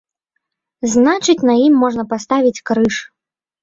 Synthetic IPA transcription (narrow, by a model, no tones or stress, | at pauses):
znat͡ʂɨt͡sʲnɐjimːɔʐnɐpast̪avʲit͡sʲkɾɨʂ